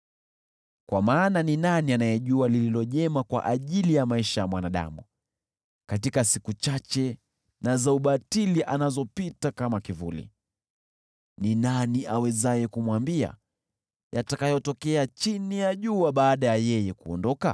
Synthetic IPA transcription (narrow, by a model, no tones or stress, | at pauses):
kwamaːnaninanianajɛʄualililɔʄɛmakwa̰ʔaʄilijamaiʃajamwanaɗa̰mu | katikasikut͡ʃat͡ʃɛ | nazauɓatiliʔanazɔpitakamakivulḭ | ninaniʔawɛzajɛkumwambia̰ | jatakajɔtɔkɛat͡ʃinijaʄuaɓaːɗajajɛjɛkuɔndɔka̰